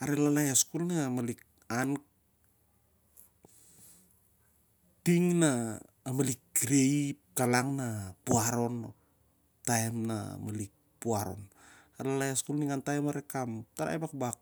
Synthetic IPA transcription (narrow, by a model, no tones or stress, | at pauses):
aɾelalajaskulnimalik̚ | an | tiŋnaː | malikɾeip̚kalaŋnapuaɾo̞no̰ | taemna̰malik̚puaɾo̞̰n | aelalajaskulniŋantajmaɾekamtaɾa̰ebakbak̚